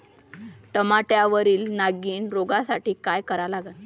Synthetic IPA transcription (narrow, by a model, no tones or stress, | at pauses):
ʈəmaʈjaʋəɾiːlnaɡiːnɾoɡasaʈiːkajkəɾalaɡat̪